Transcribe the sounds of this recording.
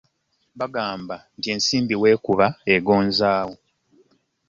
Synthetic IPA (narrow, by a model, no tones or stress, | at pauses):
βaɡaːmbantie̞ːnsiːmbiwe̞ːkuβaeɡo̞ːnzaːwo